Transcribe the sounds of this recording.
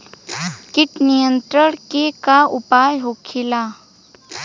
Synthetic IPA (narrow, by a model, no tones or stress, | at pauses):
kɪʈnijə̃nt̪ɾəɽ̃kekaʊpaːjɦokʰɪla